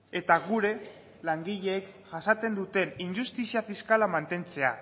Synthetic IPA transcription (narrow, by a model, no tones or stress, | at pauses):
e̞t̪aɣuɾe̞ | laŋɡiʎe̞ːkʝasat͡s̪e̞nd̪ut̪e̞nindust̪isiafiskalamant̪e̞nt͡se̞a̰